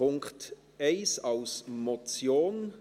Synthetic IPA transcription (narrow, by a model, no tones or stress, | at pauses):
ʊŋkt | eɪsalsmot͡sjoːn